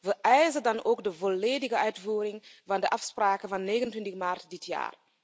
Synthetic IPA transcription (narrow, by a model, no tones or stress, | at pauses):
ʋəʔœɥzədɑnoːkdəvolːeːdɪɣəœɥtvuːɾɪŋvɑndəʔɑfspraːkəvɑnːeːɣəntwɪntɪxmaːrtdɪtʰja̰ːr